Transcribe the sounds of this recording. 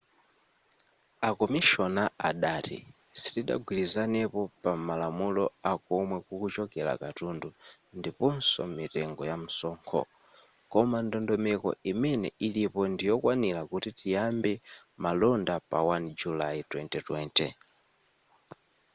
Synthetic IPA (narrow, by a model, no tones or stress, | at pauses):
akɔmiʃɔnaaɗaːtḭ | si̥tiɗa̰ɡwilizanɛpɔpamalamulɔakɔmwɛkukut͡ʃɔkɛla̰katundu | ndipɔnsɔ̰mitɛŋɡɔjam̩sɔːŋkʰɔ̰ | kɔmandɔndɔmɛkɔ̰imɛnɛ̰ʔilipɔndijɔkwanilakutitijambɛmalɔndapa̰wand͡ʒulaitwɛntɛtwɛntɛ̰